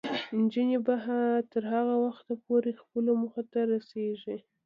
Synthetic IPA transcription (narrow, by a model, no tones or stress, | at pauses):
ɪnd͡ʒinibaɦat̪əɾhaɣawaxt̪apoɾexpəloməxat̪aɾaseʒi